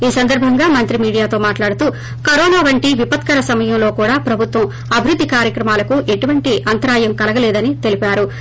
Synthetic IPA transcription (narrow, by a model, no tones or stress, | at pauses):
iːsɐnd̪ɐɾbʱɐŋɡaːmɐnt̪ɾimiːɽijaːt̪o̞ːmaːʈlaːɽut̪uː | kɐɾɔːnaːʋɐɳʈiʋipɐt̪kɐɾɐsɐmɐjɐmlo̞ːkuːɽaːpɾɐbʱut̪ʋɐm | ɐbʱiɾud̪ʱːikaːɾjɐkɾɐmaːlɐkuʔe̞ʈuʋɐɳʈiʔɐnt̪ɐɾaːjɐmkɐlɐɡɐlɛːd̪ɐnit̪e̞lipaːɾu